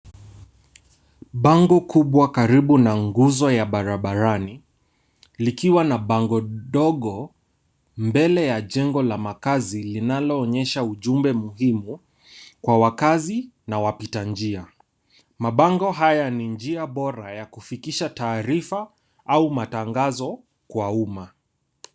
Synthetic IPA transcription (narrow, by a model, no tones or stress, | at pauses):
ɓaŋɡɔkuɓwakaɾiɓunaŋɡuzɔjaɓaɾaɓaɾani | likiwanaɓaŋɡɔɗɔɠɔ | mbɛlɛjaʄɛŋɡɔlamakazilinalɔːɲɛʃauʄumbɛmuɦimu | kwawakazi | nawapitand͡ʒia | maɓaŋɡɔɦajanind͡ʒiaɓɔɾajakufikiʃataːɾifa | aumataŋɡazɔ | kwauma